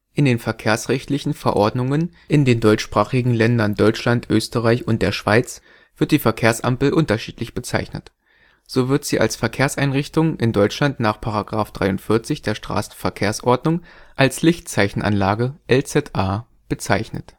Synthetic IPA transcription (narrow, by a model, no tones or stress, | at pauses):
ʔɪndeːnfɛɐkʰeːɐsʁ̥ɛçtlɪçn̩fɛɐʔɔɐdnʊŋən | ʔɪndeːndɔʏt͡ʃʃpʁ̥aːχɪɡŋ̩lɛndɐndɔʏt͡ʃlantʔøːstəʁaɪçʊnt̚d̥eːɐʃv̥aɪt͡s | v̥ɪɐt̚d̥iːfɛɐkʰeːɐsʔa̰mpl̩ʔʊntɐʃiːtlɪçb̥ət͡saɪçnə̰t | z̥oːvɪɐtz̥iːʔa̰lsfɛɐkʰeːɐsʔaɪnʁɪçtʊŋʔɪndɔʏt͡ʃlantnaːχpʰaʁaɡʁaːfd̥ʁaɪʊntfɪɐt͡sɪçd̥eːɐʃtʁ̥a̰ːsn̩fɛɐkʰeːɐsʔɔɐdnʊŋʔalslɪçtt͡saɪçn̩ʔa̰nlaːɡəʔɛlt͡sɛtʔaː | b̥ət͡saɪçnə̰t